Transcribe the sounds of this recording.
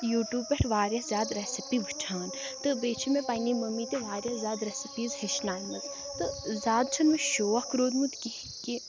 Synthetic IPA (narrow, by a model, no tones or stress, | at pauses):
juːʈjuːbpeʈʰʋaːɾjɐzʲjaːd̪ɾɛsipiʋʱɨt͡ʃʰaːn | t̪ɨbeːt͡ʃʰimẽpaːjnimɐmːit̪eʋaːɾʲjɐzʲjaːd̪ɾesipiːzɦeʃnaːjmɐt̪ | t̪ɨzʲaːd̪̚t͡ʃʰɐnmeʃoːʋɐhkɾoːd̪mut̪ki | ki